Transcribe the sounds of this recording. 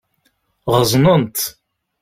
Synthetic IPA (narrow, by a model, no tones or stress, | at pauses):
ʁəzˤnənt̪